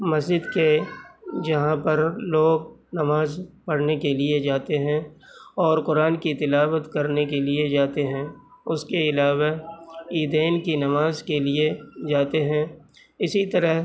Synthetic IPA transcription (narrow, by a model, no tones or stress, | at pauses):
mɐzd͡ʒɪd̪ke | d͡ʒɐɦãpɐɾloːɡnɐmaːzpɐɽnekelied͡ʒaːt̪eɦɛ̃ɔːɾkʊɾaːnkit̪ɪlaːwət̪kɐɾnekelied͡ʒaːt̪eɦɛ̃ːʊskeɪlaːʋaiːd̪eːnkinɐmaːzkelied͡ʒaːt̪eɦɛ̃ː | ɪsit̪ɐɾəɦ